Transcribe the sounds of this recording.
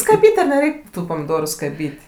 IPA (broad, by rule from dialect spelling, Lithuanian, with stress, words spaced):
skɐˈbʲiːtʲ ɐr nʲɛˈrʲɛɪkʲ ˈtuː pɐmʲɪˈdoːrʊ skɐˈbʲiːtʲ